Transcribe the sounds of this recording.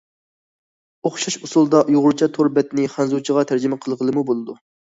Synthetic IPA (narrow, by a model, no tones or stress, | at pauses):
oχʃɑʃusulˠd̪ɑjuʁʊɾt͡ʃʰɑt̪ʰoɾbɛt̪nɪχænzut͡ʃʰəʁɑt̪ʰæɾd͡ʒɪmɪqʰəlˠʁəlˠɨmubolˠɨd̪u